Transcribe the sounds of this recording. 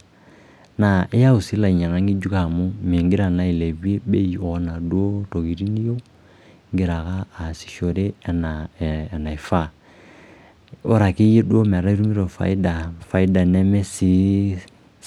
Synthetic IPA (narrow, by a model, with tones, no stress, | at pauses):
na˨ʔe˦ja˦u˨si˦la˨i˨ɲa˨na˨˦ŋɡi˦d͡ʒu˦ka˦a˨mo˦me˨ŋɡe˦ɾa˨na˨i˨lɛ˨βi˦e˦be˦i˨ɔ˦na˨dwo˦tɔ˨ɣi˨ɾi˦ni˦jɔ˦ | ŋɡe˨ɾa˨ɣaː˦˨si̥˨ʃɔ˨ɾe˦˨naː˨na˨e˨fa˦˨ | o˦ɾa˨ke˦e˦do˦ma˨ɾa˦i˦ɾu˦mi˦ɾɔ˨fa̰˨i˦da˨fa˨i˦da˨nɛ˦mɛ˦si˦